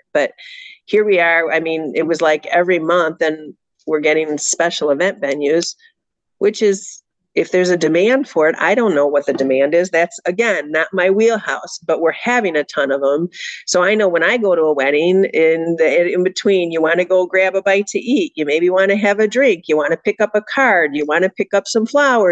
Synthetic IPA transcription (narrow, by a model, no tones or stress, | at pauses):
b̥ʌt̚hiɹwiə˞aɪmĩnɪt̚wʌzlaɪkɛvɹimʌ̃nθðɨ̃n | wɪɹɡɛɾɪ̃ŋspɛʃl̩ˠəvɛ̃ntv̥ɛ̃njʉz̥ | wɪt͡ʃɪz | ɨfðə˞zɨdɨmæ̃nd̥fə˞ɨɾa̰ɪɾõʊ̃nːoʊwʌt̪̚ðɨdɨmæ̃ndɪzðætsɨɡɛ̃nːət̚maɪwilˠhaʊsb̥ʌʔ̚wɪɹhævɪ̃ŋɨtʰʌ̃nʌvə̃msoʊaɪnoʊwə̃ñaɪɡoʊɾəəwɛɾɪ̃ŋɪ̃nɪ̃nbɨtʰw̥ĩnjɨwɑ̃nɨɡoʊɡɹæbəbaɪtʰɨʔit̚jɨmeɪbiwɑ̃nɨɨvɨdɹɪ̃ŋkʰjɨwɑ̃nɨpʰɪkʌpəkʰɑɹdjɨwɑ̃nɨpʰɪkʌpsʌ̃ɱflaʊə˞